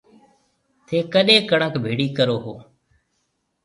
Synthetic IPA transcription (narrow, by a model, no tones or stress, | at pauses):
t̪ʰeːkəɗẽːkəɳəkbʱeːɽiːkəɾoːɦoː